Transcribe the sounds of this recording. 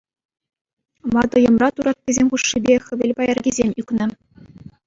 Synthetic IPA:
mɑd̪ɤ̆jɤ̆mrɑt̪uɾɑt̪̚kʲɘ̆zʲemʲχuʂːibʲeχʲɘ̆ʋʲelʲpɑjɑrɡʲizʲemʲykʲnɘ̆

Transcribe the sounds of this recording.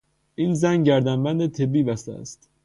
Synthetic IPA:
ʔiːnzænɟæɾd̪ænbænd̪et̪ʰebiːbæst̪ææ̰st̪

